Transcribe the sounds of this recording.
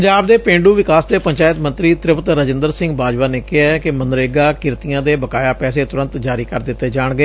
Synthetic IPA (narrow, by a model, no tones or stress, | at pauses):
əɲd͡ʒaːbd̪eːpẽːɳɖuːʋɪkaːsd̪eːpəɲt͡ʃaːjɪt̪mə̃nt̪ɾiːt̪ɾɪpət̪ɾəd͡ʒɪnd̪əɾsɪ̃ŋɡbaːd͡ʒʋaːneːkɪɦaɛkɪmənɾeːɡaːkɪɾt̪ijãːd̪eːbəkaːjaːpɛːseːt̪ʊɾə̃nt̪d͡ʒaːɾiːkəɾd̪ɪt̪ːeːd͡ʒaːɳɡəeː